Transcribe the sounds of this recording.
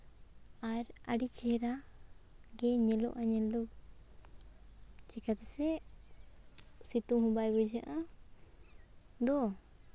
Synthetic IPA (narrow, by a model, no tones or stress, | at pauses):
aɾaɖit͡ʃɛɾa | ɡɛɲɛlɔ̰ʔaɲɛld̪ɔ | t͡ʃɛkat̪ɛsɛ | sit̪uɦũbajbɛd͡ʒaʔa | d̪ɔ